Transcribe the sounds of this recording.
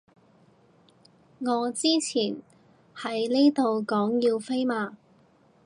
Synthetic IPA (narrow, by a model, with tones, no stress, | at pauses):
ŋɔː˨˧t͡siː˥t͡sʰiː˨˩n | hɐ˨˥jni˥t̪o˨wkɔː˨˥ŋjiː˧wfe˥jmaː˨˧